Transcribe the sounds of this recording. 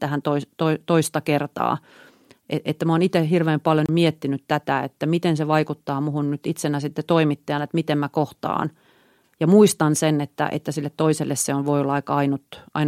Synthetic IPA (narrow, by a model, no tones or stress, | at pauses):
t̪æhænt̪oist̪oit̪oist̪ɑkert̪ɑ̰ː | eʔet̪ːæmoːnit̪ehirʋeːmpɑljommiet̪ːinyt̪t̪æt̪æḛt̪ːæmit̪enseʋɑikut̪ːɑːmuhunnyt̪it̪senːæsit̪ːet̪oimit̪ːeɑnet̪mit̪emmækoht̪ɑ̰ːn | jɑmuist̪ɑnsenet̪ːæ̰ʔḛt̪ːæsilːet̪t̪oiselːesseonʋoiolːɑikɑɑinut̪ʔɑ̰in